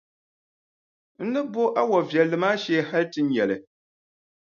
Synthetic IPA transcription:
n̩˦nɨ˦bo˦ʔa˦wɔ˨vjɛ˨lːɨ˨maː˦ʃɛ˦ha˦ltɨ˦n˦jɛ˨lɨ˨

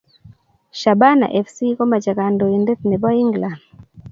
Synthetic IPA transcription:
ʃa˨ba˦na̰˨ʔe˨fsi˦ko˦ma˨d͡ʒa˨ka˨ndo˨i˨nde˦t̪ne˨bɔ˦i˦ŋɡla˨n

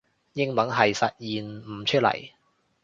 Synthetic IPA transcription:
jɪ˥ŋmɐ˨˥nɦɐ˨jsɐ˨t̚jiː˨nm̩˨˩t͡ʃʰɵ˥t̚lɐ̰˨˩j

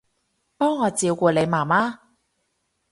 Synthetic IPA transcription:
pɔː˥ŋːɔː˨˧t͡siː˧wkuː˧le˨˧jmaː˨˩maː˥

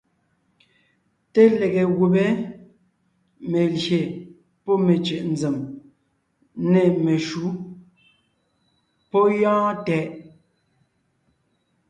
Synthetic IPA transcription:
te˦le˨ɣe˨ɣu˨be˦ | me˨lje˨ | pɔ˦me˨t͡ʃe˨ʔn̩˨d͡ze˨m | ne˨me˨ʃu˨˦ | pɔ˦jɔ̃ː˦tɛ˨ʔ

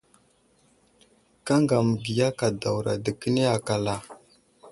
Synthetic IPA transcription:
ka˦ŋɡa˨mə˨ɡi˨ja˦ka˨da˨wɾa˨də˨kə˦ne˦a˨ka˨la˨

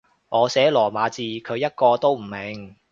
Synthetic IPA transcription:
ŋɔː˨˧sɛː˨˥lɔː˨˩maː˨˧t͡siː˧kʰɵ˨˧ɥjɐ˥t̚kɔː˧t̪o˥wm̩˨˩me˨˩ŋ

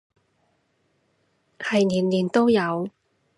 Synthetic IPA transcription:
hɐ˨jniː˨˩nliː˨˩nt̪o˥wjɐ˨˧w

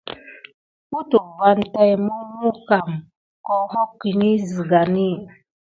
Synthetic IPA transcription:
ku˦tu˨va˦nta˦jmu˦mu˦ka˨m | kɔ˦hɔ˦kːi˨ni˦zi˨ɡa˨ni˦

